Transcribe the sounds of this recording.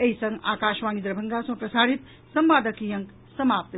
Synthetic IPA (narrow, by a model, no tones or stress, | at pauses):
eɦisʌ̃ŋɡaːkaʃʋanid̪ɾəbʱəŋɡasɐ̃pɾəsaɾit̪ | səmʋaːd̪əkijə̃ŋk | səmaːp̚t̪